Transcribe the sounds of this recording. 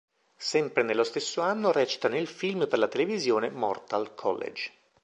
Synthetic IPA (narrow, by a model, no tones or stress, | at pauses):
sɛmpɾenelːost̪esːoanːorɛːt͡ʃi̥t̪anelfilmperlat̪elevizjoːnemɔ̰rt̪alkʰɔ̰lːḛd͡ʒ